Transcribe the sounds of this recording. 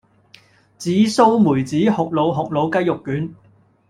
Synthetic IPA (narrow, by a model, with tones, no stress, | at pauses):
t͡siː˨˥so˥wmuː˨˩jt͡siː˨˥hʊ˨k̚lo˨˧wɦʊ˨k̚lo˨˧wkɐ˥jʊ˨kːyː˨˥n